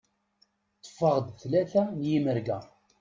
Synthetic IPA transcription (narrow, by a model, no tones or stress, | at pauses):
t̪ˤːə̥fːəʁəd̪θlæθænjiməɾɡæ